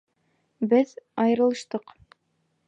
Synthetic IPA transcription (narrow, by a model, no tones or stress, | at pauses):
bɘðɑjɤ̆ɾɤ̆lˠɤ̆ʃt̪ɤq